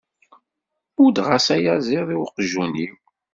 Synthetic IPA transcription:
ʊd̪ʁasæjæziðˤiwqəʒːuni

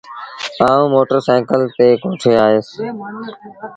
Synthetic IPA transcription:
aːũːmoːʈəɾsɛ̃ːkəlt̪eːkõːʈʰeːaːɦeːs

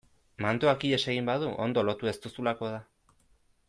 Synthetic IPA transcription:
mant̪oakiʎe̞se̞ɣ̞imbaðuʔo̞̰nd̪o̞lo̞t̪ue̞st̪usulako̞ð̞a

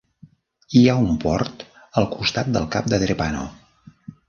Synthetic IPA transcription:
iaumpɔɾt̪ | əlˠkust̪at̪̚d̪əlˠkap̚d̪əðɾepano̰

